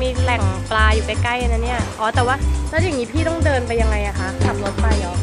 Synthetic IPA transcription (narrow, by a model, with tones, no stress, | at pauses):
miː˧lɛ˨˩ŋplaː˧juː˨˩ka˧jka˥˩jʔa˧na˧˥nːi˥˩ɐʔɔː˨˦t̪ɛː˨˩waː˥˩laː˦˥ja˨˩ŋi˦˥pʰiː˥˩t̪ɔ˥˩ŋdɤː˧npa˧jːa˧ŋːa˧jʔa˨˩kʰa˦˥t̪ʰa˧mlo˦˥t̪̚pa˧jʔɔː˨˧˩